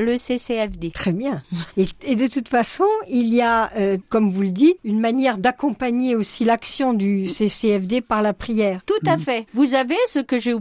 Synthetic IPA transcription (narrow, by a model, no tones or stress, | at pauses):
ləseseɛfd̪et̪χɛbjɛ̃eed̪ət̪ut̪fasɔ̃ilijaøkɔmvuləd̪it̪ynmanjɛʁd̪akɔ̃paɲeosilaksjɔ̃d̪yseseɛfd̪epaʁlapχijɛːʁt̪ut̪afɛvuzavesəkəʒeu